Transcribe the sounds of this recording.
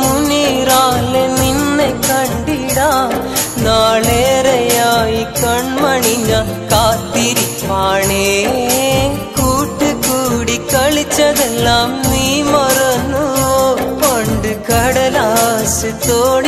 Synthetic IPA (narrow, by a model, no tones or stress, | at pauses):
munːiɾaːleninːekɐɳɖiɽaːnaːɭeːɾɐjaːjikɐɳmɐɳiɲːɐ | kaːt̪ːiɾipaːɳe | kuːʈːɨkuːɽikɐɭit͡ɕːɐðelːaːmniːmɐrɐnːuʋoːkoɳɖɨkɐɽɐlasɨt̪oːɽi